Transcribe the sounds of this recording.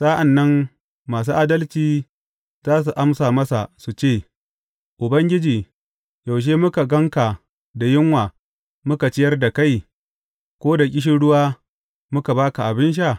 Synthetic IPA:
saː˦ʔa˨nːɐ˦nː | aː˨s̬uː˦ʔaː˦dɐ˦lt͡ʃiː˦ | zaː˦s̬u˨ʔa˦msaː˨mɐ˦sa˨su˨t͡ʃeː˦˨ | ʔʊ˨bɐ˦ŋɡʲɪ˦d͡ʒiː˨ | ja˨wʃ̬eː˦mʊ˦ka˨ɡɐ˦ŋka˨ | da˨jɪ˦ŋwaː˨ | mʊ˦ka˨t͡ʃɪ˦jɐ˦rda˨ka˦j | kʷoː˦da˨kʲʼɪ˦ʃ̬ɪ˦ɽʊ˦waː˦ | mʊ˦ka˨baː˦ka˨ʔa˨bɪ˦nʃ̬a˦˨

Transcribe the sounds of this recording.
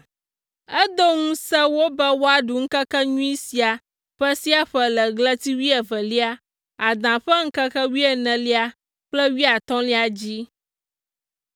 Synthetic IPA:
ɛ˦d̪o˦ŋũ˦sɛ˦wo˦bɛ˦wo˦a˨ɖu˨ŋ̩˦kə˦kɛ˦ɲũ˦i˦si˨a˨ | ɸɛ˦si˦a˦ɸɛ˨lɛ˨ɡlɛ˦t̪i˦wi˦ɛ˨vɛ˨li˦a˦ | a˨d̪ã˨ɸɛ˦ŋ̩˦kə˦kɛ˦wi˦ɛ˨nɛ̃˨li˦a˨ | k͡plɛ˦wi˦a˨t̪ɔ̃˦li˦a˨d͡ʑi˦

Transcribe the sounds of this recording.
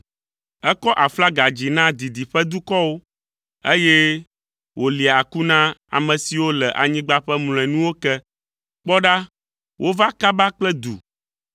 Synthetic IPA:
ɛ˦kɔ˦ʔa˨fla˦ɡa˨d͡ʑi˨nã˦d̪i˨d̪i˨ɸɛ˦d̪u˦kɔ˦wo˦ | e˦jɛ˦ | wʔo˨li˨a˨ku˦nã˦a̰˨mɛ̃˨si˨wo˦lɛ˨ʔa̰˨ɲĩ˦ɡ͡ba˦ɸɛ˦ml̃ɛ̃˨nũ˦wo˦kɛ˦ | k͡pɔ˦ɖa˦ | wʔo˦va˦ka˦ba˦k͡plɛ˦d̪ṵ˨

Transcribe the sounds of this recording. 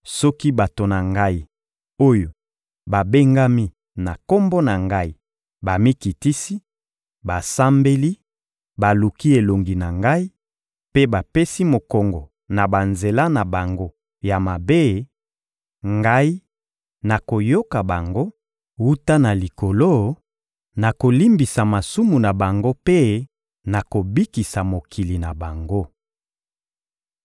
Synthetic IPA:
sɔ˦ki˦ba˨to˨na˨ŋɡa˦i˦ | o˦jo˨ | ba˨be˦ŋɡa˦mi˦ | na˨ko˦mbɔ˦na˨ŋɡa˦i˦ | ba˨mi˦ki˨ti˦si˦ | ba˨sa˦mbe˦li˦ | ba˨lu˨ki˦e˨lo˨ŋɡi˨na˨ŋɡa˦i˦ | pe˦ba˨pe˦si˦mo˨kɔ˨ŋɡɔ˨ | na˨ba˨nze˨la˦na˨ba˨ŋɡo˦ | ja˨ma˨be˦ | ŋɡa˦i˦ | na˨ko˨jo˦ka˨ba˨ŋɡo˦ | wu˦ta˦na˨li˨ko˨lo˦ | na˨ko˨li˦mbi˨sa˨ma˨su˦mu˨na˨ba˨ŋɡo˦pe˦ | na˨ko˨bi˦ki˨sa˨mo˨ki˨li˨na˨ba˨ŋɡo˦

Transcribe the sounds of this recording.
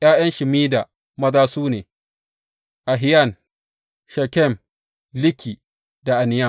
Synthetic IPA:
ʔj̰aː˦j̰ɐ˦nʃɪ˨miː˦da˨ | mɐ˦daː˦suː˦neː˨ | ʔa˨ɦɪ˦jɐ˦˨n | ʃɛ˨kʲɛ˦˨m | lɪ˦kʰʲiː˨ | da˨ʔa˨nɪ˨ja˦˨

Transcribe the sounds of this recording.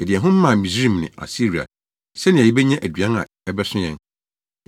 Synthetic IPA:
ɛ˨dɪ˨ɛ˨ɦʊ̃˦m̩˦mã˦˨mĩ˨sɾĩ˦˨mnɪ̰̃˨ʔa̰˨si˦ɾi˨a̰˨ | sɛ˦nɪ̃˨æ˨ji˦bɛ˦ɲã˦ʔæ˨dɥã˦na̰˨ | ɛ˦bɛ˦sʊ̃˦jɛ̰̃˦n

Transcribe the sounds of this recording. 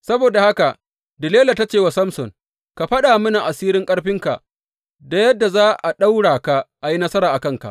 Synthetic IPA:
sɐ˦boː˨da˨ha˦ka˨ | dɪ˨leː˦la˨ta˦t͡ʃeː˨wa˨sɐ˦msɔ˨ŋ | ka˨ɸɐ˦ɗaː˨mʊ˦na˨ʔa˨siː˦ɾɪ˦ŋkʼɐ˦ɽɸɪ˦ŋka˨ʔ | da˨jɐ˦dːa˨zaː˦ʔa˨ɗa˦wɽaː˨ka˦ʔa˨ji˦nɐ˦sɐ˦ɾaː˨ʔa˨kɐ˦˨ŋka̰˨ʔ

